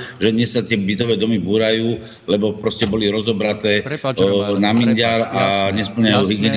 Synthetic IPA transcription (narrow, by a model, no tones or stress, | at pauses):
ʒɛd̪ɲɛsːat̪ɪɛbit̪ɔʋɛːd̪ɔmibuːɾajuː | lɛbɔpɾɔscɛbɔliɾɔzɔbɾat̪ɛː | naminɟaɾaɲɛspl̩ɲajuːɦiɡɪɛːn